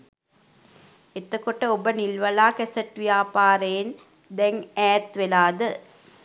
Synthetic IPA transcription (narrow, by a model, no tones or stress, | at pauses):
et̪əkoʈəobənilʋɐlaːkɛsɐʈʋijaːpaːɾəjen | d̪ɛŋæːt̪ʋelaːd̪ə